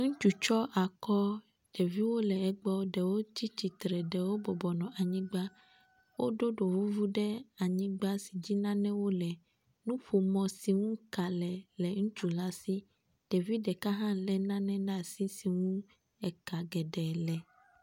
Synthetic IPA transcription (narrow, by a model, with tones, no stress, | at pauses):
ŋũ˦t͡ʃu˨t͡ʃɔ˦ʔa˨kɔ˦ | ɖ̥ɛ˨vi˦wo˦lɛ˨ɛ˨ɡ͡bɔ˦ɖɛ˨wo˦t͡ɕi˦t͡ɕi˨t̪ɾɛ˨ɖɛ˨wo˦bɔ˨bɔ˨nɔ̃˨ʔa˨ɲĩ˦ɡ͡ba˦ | wo˦ɖo˦ɖo˨vu˦vu˦ɖɛ˦a˨ɲĩ˦ɡ͡ba˦si˨d͡ʑi˦nã˦nɛ̃˦wo˦lɛ˨ | nũ˦ɸo˨mɔ̃˨si˨ŋũ˦ka˨lɛ˨lɛ˨ŋũ˦t͡ʃu˨la˦si˦ | ɖ̥ɛ˨vi˦ɖɛ˨ka˦ɦã˦lɛ˦nã˦nɛ̃˦nã˦˨si˦si˨ŋũ˦ | ɛ˨ka˨ɡɛ˨ɖɛ˨lɛ˨